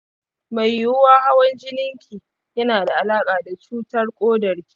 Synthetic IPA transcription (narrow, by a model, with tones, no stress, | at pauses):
ma˨jːʊ˦waː˦ha˦wɐ˦nd͡ʒɪ˦nɪ˦ŋkʲʰiː˨ | jɐ˦naː˨da˨ʔa˨laː˦kʼaː˨da˨t͡ʃuː˦tɐ˦rkʷʼoː˦dɐ˨rkʲi̥˦